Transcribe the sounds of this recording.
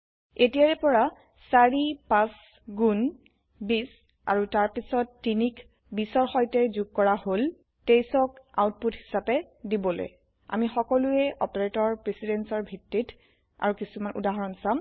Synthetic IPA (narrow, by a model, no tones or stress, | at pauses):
etijaɹɛpɔɹa | saɹipas | ɡun | bis | a̰ɹutaɹpisɔtːinik | bisɔɹxɔjtɛzuɡ̚kɔɹahol | tejsɔka̰wt̚puthi̥sapɛ | dibɔlo̰j | a̰mixɔkɔluɛʔɔ̰peɹetɔɹpɹesidɛnsɔɹbʱitːit | a̰ɹukisumanʔṵdaɦɔɹɔnsam